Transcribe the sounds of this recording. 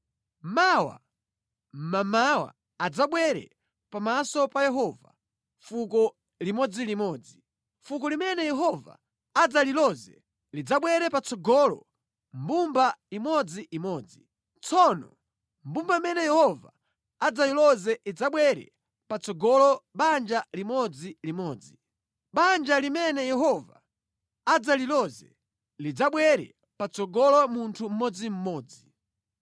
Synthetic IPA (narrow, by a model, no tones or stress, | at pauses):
mawa̰ | m̩mamawa̰ | ad͡zaɓwɛɾɛ̰ | pamasɔpajɛɦɔva̰ | fukɔ | limɔd͡zilimɔd͡zi | fukɔlimɛnɛjɛɦɔva̰ | ad͡zalilɔzɛ | lid͡zaɓwɛɾɛpat͡sɔɡɔlɔ̰ | mbumbaimɔd͡ziʔimɔːd͡zi | t͡sɔnɔ̰ | m̩bumbamɛnɛjɛhɔva | ad͡zalilɔzɛʔid͡zaɓwɛɾɛ̰ | pat͡sɔɡɔlɔɓand͡ʒalimɔd͡zilimɔːd͡zi | ɓand͡ʒalimɛnɛjɛɦɔva | ad͡zalilɔzɛ̰ | lid͡zaɓwɛɾɛ̰ | pat͡sɔɡɔlɔmuntʰum̩mɔd͡zim̩mɔːd͡zi